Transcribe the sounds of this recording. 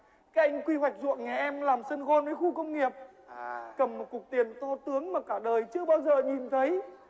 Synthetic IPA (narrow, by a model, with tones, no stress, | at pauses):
kaː˨˦ʔa˧jŋ̟kwi˧wa˨˩jk̚zṵ˧˨əŋŋɛ˨˩ʔɛ˧mlaː˨˩msə˧nɣo˧nvəː˨˦jxu˧kə˧wŋ͡mŋi˨˩əp̚ | kə˨˩mːo˨˩t̚kʊ˨˩k̚t̪i˨˩ənt̪o˧t̪ɨ˨˦əŋmaː˨˩kaː˧˩ɗəː˨˩jt͡ɕɨ˧əɓaː˧wzəː˨˩ɲi˨˩nt̪ʰə˨˦j